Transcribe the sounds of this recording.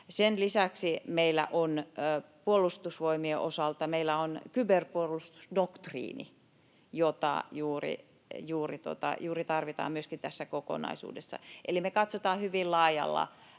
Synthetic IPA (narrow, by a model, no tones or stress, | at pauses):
senlisæksimeilːˑæ̰ʔonːpuolːˑust̪usʋoimieʔo̰sɑlt̪ɑmeilæonkyberpuolust̪u̥sdokt̪rḭːnḭ | jot̪ɑ̰ˑjuːrḭ | juːrit̪uo̰t̪ɑ̰juːrit̪ɑrʋit̪ɑ̰ːmmyøskint̪æsːækoko̰nɑ̰isṵːdesːɑ̰ʔelimekɑt̪sot̪ɑːhyʋillɑːjɑ̰lːɑ̰